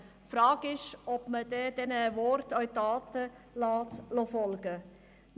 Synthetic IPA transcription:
fɾɑːɡ̥ɪʃɔbməd̪ɛd̥ɛnəʋɔɾt̪œʏt̪ɑːt̪ə | lɑːtlofɔlɡ̥ə

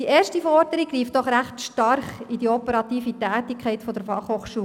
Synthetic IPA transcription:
d̥ieːrʃtifɔɾdəɾiɡriːftd̥ɔχɾæχtʃtɑrχidiɔpəɾɑt̪iːfitæːtikʰɛɪtfɔdəɾfɑχhoːχʃuː

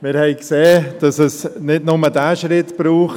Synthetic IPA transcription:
mɪɾhɛɪkseːd̥ɑsɛsnɪdnʊmədæːʃɾɪtb̥ɾuːχ

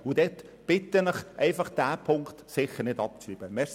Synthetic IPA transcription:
ʊd̥ɛt | b̥ɪtːənəχʔɛɪfɑχd̥æːpʰʊŋkt̪sɪχəɾnɪdɑp̚t͡syb̥əmɛs

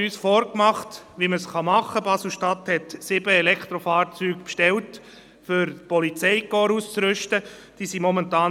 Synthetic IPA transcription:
yːsfɔːɾkmɑχt | ʋiməsχɑmɑχːəpɑsl̩ˠʃtɑt̪hɛtsɪbəɛlɛkʰt̪ɾofɑːɾt͡syːkpʃtɛlt | fʏɾpɔlit͡sɛɪkɔːɾuːst͡sɾʏʃtəd̥iːsimɔmɛntɑːn

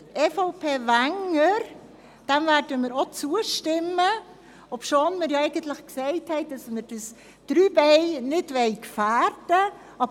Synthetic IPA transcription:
ʔɛfoʊpʰeːvæŋəɾ | d̥ɛmvæːɾd̥əmɪːɾot͡suəʃtɪmːə | opʃoːnmɪɾjɑɛɪɡəntləχksɛɪthɛɪd̥ɑsməɾd̥əs | d̥ɾyːbɛɪnɪdʋɛɪkfæːɾdə | ɑb

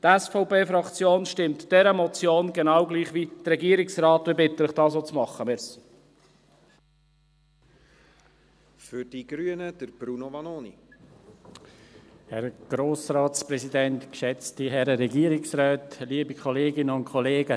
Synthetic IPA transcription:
t̪ɛsfɔʊpeːfɾɑkt͡sjoːnʃtɪmtd̥ɛɾəmɔt͡sjoːnɡenɑwɡliːχʋid̥̪əɾɛɡiːɾɪksrɑːt̪ʋɪbɪt̪ələχd̥ɑːs̬oːt͡smɑχːəmɪɾs | fʏɾd̥iɡ̥ɾyənəd̥əɾb̥ɾunovɑnoːnḭ | hɛɾɡ̥ɾoːsɾɑːtspɾɛzidɛnt̪kʃɛt͡stiɦɛɾəɾɛɡiəɾɪksrœːtliːəbikʰɔleːɡɪnəʊnkʰɔleːɡ̥ə

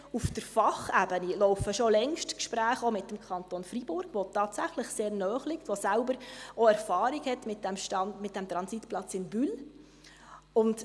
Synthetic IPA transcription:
ufd̥əɾfɑχæbənilɔʊfəʃolɛŋʃtkʃpɾæːχomɪtdəmkʰɑntonfɾibʊɾɡ̥ʋotɑːtsæχləχseːɾnœːχlɪktʋosælbəɾɔæɾfɑːɾiɡhɛtmɪtdɛmʃtɑnmɪt̚dɛmt̪ɾɑnsitplɑt͡sɪnbyl | ʊnd

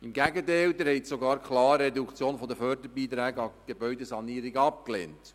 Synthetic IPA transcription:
ɪmɡæɡətɛɪld̪ɛɾhɛɪtsoɡɑːɾkχlɑːɾːɛdukt͡sjoːnfɔdəfœɾdəɾbiːt̪ɾæːɡəɑɡ̥ebœʏdəsɑniːɾiɡɑp̚klḛːnt

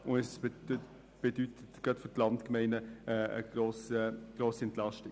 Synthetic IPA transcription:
ʊnɛsb | b̥edytʰətɡ̥ʁɑtfʏtlɑntkmɛɪnəəə̰ɡ̥roːsəɡ̥roːsiɛntlɑʃti

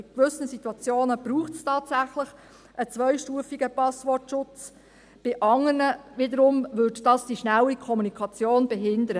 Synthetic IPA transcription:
ɪkʋʏsən̩situɑt͡sjoːnəb̥ɾuːχtstʰɑːtsæχləχ | ʔət͡sʋœɪʃtuːəfiɡəpɑsʋɔtʃʊt͡s | b̥ɪʔɑŋərnəʋɪd̪əɾʊmʋʏdd̥ɑsd̥iʃnælikʰɔmunikʰɑt͡sjoːnbɛɦɪnd̪əɾə

